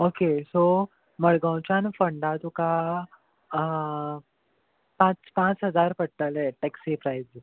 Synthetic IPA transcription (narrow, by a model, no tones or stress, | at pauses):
okeso | məɭɡãw̃t͡ɕjanfəɳɖat̪uka | pãt͡spãt͡sɦəd͡zaɾfəɽʈəlɛʈɛksipɾajz